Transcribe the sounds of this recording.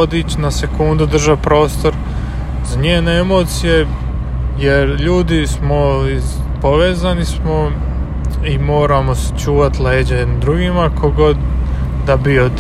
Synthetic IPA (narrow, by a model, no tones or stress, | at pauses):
od̪it͡ɕnase̞kund̪ud̪r̩ʒapɾo̞ːst̪o̞ɾ | zaɲeːneemo̞ːt̪sije̞ | jeɾʎuːd̪ismo̞izpo̞ʋeːzanismo | imo̞ːɾamo̞st͡ʃuːʋat̪lˠeːd͡ʑaennd̪ɾuɡimakʰo̞ɡo̞d̪ː | abiod̪